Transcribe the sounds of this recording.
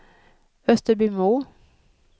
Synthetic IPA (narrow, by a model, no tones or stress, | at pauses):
œst̪əɾbyːmuː